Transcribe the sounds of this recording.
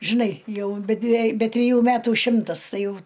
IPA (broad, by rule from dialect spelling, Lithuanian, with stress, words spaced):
ʒʲɪˈnɐɪ ˈjɛʊ bʲɛ dʲʋʲiɛ bʲɛ tʲrʲɪˈjuː ˈmʲæːtuː ˈʃʲɪmtɐs ˈtɐɪ ˈjɛʊ